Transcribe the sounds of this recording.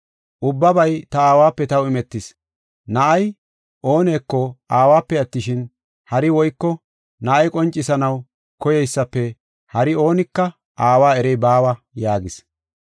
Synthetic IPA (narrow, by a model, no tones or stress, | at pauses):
ʔʊbːɐbɐjt̪ɐaːwaːpːɛt̪ɐwɪmɛt̪ːɪs | nɐʔɐj | ʔo̞ːne̞ːkːɔaːwaːpːɛɐt̪ːɪʃɪn | hɐɾɪwɔjkːɔ | nɐʔɐjkʼɔnt͡ʃʼːɪsɐnɐw | kɔjɛjsːɐpːɛ | hɐɾɪo̞ːnɪkːɐ | ʔaːwaːɛɾɛjbaːwɐ | jaːɡɪs